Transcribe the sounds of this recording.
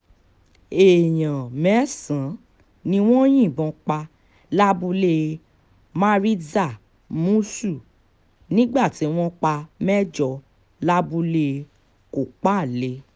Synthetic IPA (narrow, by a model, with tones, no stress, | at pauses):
e˨j̃ã˨mɛ˨˦sã˨˦ | nĩ˧w̃ɔ̃˦j̃ĩ˦˨bɔ̃˧k͡pa˧ | la˦bu˧le˦˧ | mã˦ɾi˦za˦˨ | mũ˦su˦˨ | nĩ˦ɡ͡ba˦˨ti˨˦w̃ɔ̃˦k͡pa˧mɛ˦d͡ʒɔ˧ | la˦bu˧le˦˧ | ko˨k͡pa˦˨le˧˦